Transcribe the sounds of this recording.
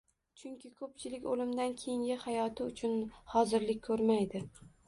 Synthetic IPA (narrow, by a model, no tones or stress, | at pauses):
t͡ʃʰʊŋkʲʰɪkʰɵp̚t͡ʃʰɪlɪkʲolɪmd̪ankʲʰejɪŋɡʲɪhajɒt̪ʰɪʊt͡ʃʰʊnhɒzɪɾlɪkʲkʰːɵɾmajd̪ɪ